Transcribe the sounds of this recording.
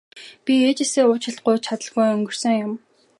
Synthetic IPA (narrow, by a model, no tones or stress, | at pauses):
pʲieːt͡ɕeseːʊːt͡ɕʰɪ̆ɬt̪̚ɢʊjt͡ɕʰat̪ə̆ɮɣujɵŋɡɵ̆r̥sɵ̆ŋjʊm